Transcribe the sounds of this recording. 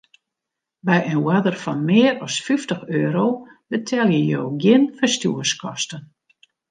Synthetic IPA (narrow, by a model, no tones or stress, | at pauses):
bɛjənwadərfɔnmɪːəɾɔsfyftəxøːɾowbətʰɛlˠjəjoːɡjɪnfəstjuəskʰɔstən